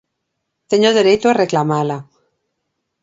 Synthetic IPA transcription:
t̪eɲoðe̞ɾejt̪oareklamala

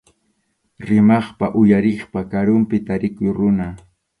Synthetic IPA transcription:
ɾɪmɑχpaʔʊjaɾɪχpakaɾʊmpɪt̪aɾɪkʊjɾʊna

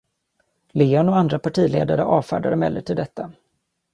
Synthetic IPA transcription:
leːɔnɔand̪ɾapʰaʈʰiːleːd̪aɾəʔɑːvfæ̰ːɖaɾəmɛ̰lːəʈʰɪld̪ɛt̪ʰːa

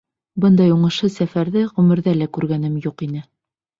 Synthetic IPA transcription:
bɤnd̪ɑjuɴɤ̆ʃɤsæfæɾðɘʁɵmɘ̆ɾðælækʉɾɡænɘmjuqinɘ

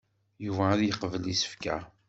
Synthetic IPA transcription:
juvæːðjəqvəlisə̥fkæ̰

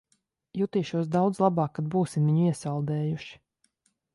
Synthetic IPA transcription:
jut̪iːʃuɔs̬d̪awd̪zlˠabɑːkːad̪̚buːsimviɲuiɛsalˠd̪ɛːjuʃi̥

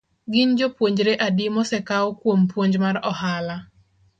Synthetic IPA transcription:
ɡɪɲd͡ʒopwoɲd͡ʒɾeʔadimɔsɛkaokwompwoɲd͡ʒmarɔhala

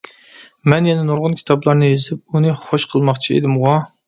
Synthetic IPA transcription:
mɛnjɛnɛnoɾʁʊnkʲʰi̥t̪ʰɑblˠɑɾnɨjezɪp̚unɨχoʃqʰəlˠmɑχt͡ʃʰiḛd̪ɪmʁɑ

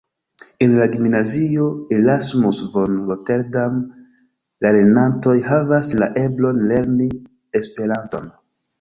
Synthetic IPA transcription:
enlaɡimnazio̞elasmusvonɾoteɾdam | laɾenanto̞jɦavasla̰ʔe̞blo̞nle̞ɾni | espe̞ɾanto̞̰n

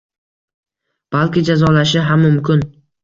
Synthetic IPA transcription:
b̥alˠkʲɪd͡ʒazɒlaʃɪɦamːʊmkʲɪn

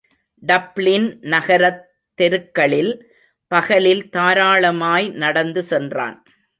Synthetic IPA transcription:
ɖɐplɪnnɐɣɐɾɐt̪ːɛɾɯkːɐɭɪl | pɐɣɐlɪlt̪aːɾaːɭɐmaːjnɐɽɐnd̪ɯsɛndra̰ːn

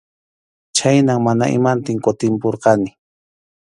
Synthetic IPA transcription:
t͡ʃajnaŋmana̰ʔɪ̰mant̪ɪŋkot̪ɪmpoɾqɑnɪ

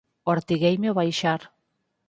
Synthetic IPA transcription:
oɾt̪iɣejmeoβajʃaɾ

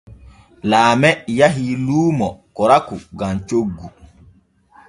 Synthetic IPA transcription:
laːmɛjaɦiluːmɔkɔɾakuɡamt͡ʃoɡːu

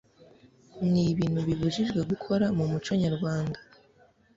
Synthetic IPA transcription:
niβiːn̥huβiβuʒiʒɡwe̞ɡukʰo̞ɾamumut͡ʃo̞ɲaɾɡwaːndḁ

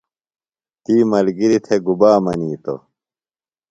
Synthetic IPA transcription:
t̪iːmɐlɡiɾit̪ʰeɡubaːmɐniːt̪o̰

